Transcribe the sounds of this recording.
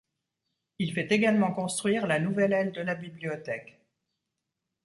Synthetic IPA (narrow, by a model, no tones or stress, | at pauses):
ilfɛt̪eɡalmɑ̃kɔ̃st̪χɥiʁlanuvɛlɛld̪əlabibliɔt̪ɛk